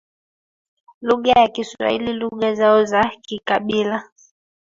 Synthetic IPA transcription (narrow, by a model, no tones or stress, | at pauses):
luɠajakisua̰ḭliluɠazaɔzakikaɓila